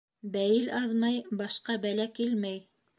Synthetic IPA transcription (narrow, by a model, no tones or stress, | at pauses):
bæjɘlʔɑðmɑjbɑʃqɑbælækilmæj